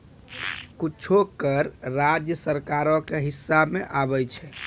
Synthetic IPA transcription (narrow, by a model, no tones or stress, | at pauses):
kut͡ʃʰokəɾɾad͡ʒjəsəɾkaɾɔkeɦisːabmeʔabɛjt͡ʃʰɛ